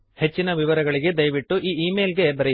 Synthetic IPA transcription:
he̞t͡ʃːinɐʋiʋɐɾɐɡɐɭiɡe̞d̪ɐjʋiʈːuʔiːiːmeːlɡe̞bɐɾe

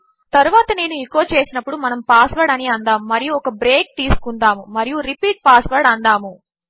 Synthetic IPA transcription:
t̪ɐɾuʋaːt̪ɐne̞ːnuikoːt͡ʃe̞ːsinɐpːuɽumɐnɐmpaːsʋɐɾɖɐniɐnd̪aːmːɐɾijuɔkɐbɾe̞ːk̚t̪iːsu̥kund̪aːmumɐɾijuɾipiːʈ̚paːsʋɐɾɽɐnd̪aːmu

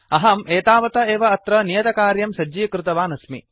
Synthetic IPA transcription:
ɐɦɐmeːt̪aːʋɐt̪ɐeːʋɐːt̪ɾɐnijɐt̪ɐkaːɾjɐmsɐd͡ʒiːkɾɪt̪ɐʋaːnɐsmḭ

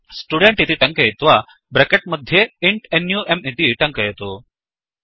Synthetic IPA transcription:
sʈuɽeɳʈit̪iʈɐŋkɐjet̪ʋa | bɾɐkeʈ̚mɐd̪ʱːjeiɳʈenjuːʔemit̪iʈɐŋkɐjet̪u

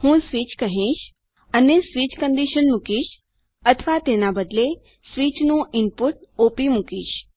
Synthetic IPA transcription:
hũsʋit͡ʃkəɦĩʃ | ənesʋit͡ʃkəɳɖiʃənmukiʃ | ət̪ʰəʋat̪enabəd̪le | sʋit͡ʃnũɪmpuʈ̚opimukiʃ

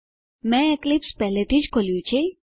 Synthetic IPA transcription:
mɛ̃eklipspɛɦlet̪ʰid͡ʒkʰoljũt͡ʃʰe

